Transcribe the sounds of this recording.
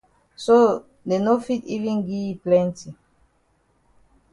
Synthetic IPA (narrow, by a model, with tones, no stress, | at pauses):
so | de˨no˦fi˦tivĩnɡi˦plɛ̃nti˨